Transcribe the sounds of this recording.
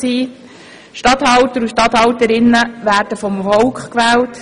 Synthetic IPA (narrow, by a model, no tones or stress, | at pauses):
iː | ʃtɑthɑwtəɾuʃtɑthɑwtəɾɪnːəʋæːrd̥əfɔmfɔwkχkʋæːlt